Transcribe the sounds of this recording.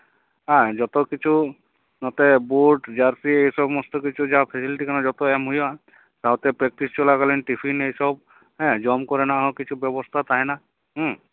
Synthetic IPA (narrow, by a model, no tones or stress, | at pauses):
ãd͡ʒɔt̪ɔkit͡ʃʰu | nɔt̪ebuɖd͡ʒaɾsiejsɔbmɔst̪ɔkit͡ʃʰud͡ʒapʰesiliʈikanɔd͡ʒɔt̪ɔɛmɦujɔ | t̪aɦot̪epɾek̚ʈist͡ʃɔlaɡalenʈipʰinejsɔb̚ | ɦɛ̃d͡ʒɔmkɔɾenaɦɔkit͡ʃʰubɔbɔst̪ʰat̪aɦẽna | ɦ